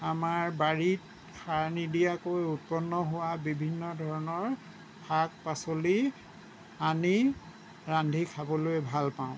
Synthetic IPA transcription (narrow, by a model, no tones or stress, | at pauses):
amaɹbaɹit̚ | kʰaɹnidijakojut̚pɔnːɔɦowabibʱinːɔdʱɔɹɔnɔɹ | pʰak̚pasoli | ani | ɹandʱikʰabɔlojɛbʱalpaʊ̃